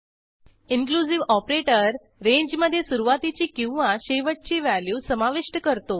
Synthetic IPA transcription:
iŋkluziʋɔpɾeʈəɾː | ẽɲd͡ʑməd̪ʱːjesuɾuʋat̪it͡ɕiːkĩw̃ʋaɕeʋət̪̚t͡ɕiʋæljuːsəmaʋiʂʈəkəɾt̪o

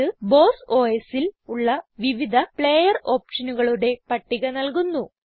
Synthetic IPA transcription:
ɨbo̞ːso̞ːjesiluɭːɐʋiʋid̪ʱɐpɭe̞ːjɐro̞ːpʂɐnuɣɐɭuɽe̞pɐʈːiɣɐnɐlkunːu

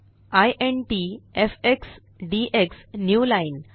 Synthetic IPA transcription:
ajʔẽɳʈiefeks | ɖiʔeksnjuːlaɪn

